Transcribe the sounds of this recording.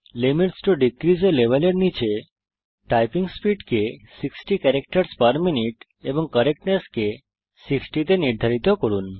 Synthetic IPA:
limiʈsʈoɖikɾid͡ʒoleʋaleɽnit͡ʃʰe | ʈajpiŋspiɖkesiksʈikɛɾek̚ʈəɾspəɾminiʈ | ebɔŋkəɾek̚ʈneske | siksʈit̪eniɾd̪ʱaɾit̪okɔɾun

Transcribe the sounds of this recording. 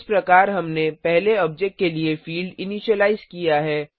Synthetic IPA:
spɾɐkaːɾɦɐmnepɛɦleɔːb̚d͡ʒek̚ʈ̚keliefiːlɖɪniːʃəlaːɪzkijaɦɛː

